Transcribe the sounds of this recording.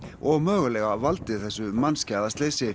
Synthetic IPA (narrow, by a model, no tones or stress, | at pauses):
ɔɣmœːɣʏlɛɣavalt̪ɪθɛsːʏmanscaðast̪leːjsɪ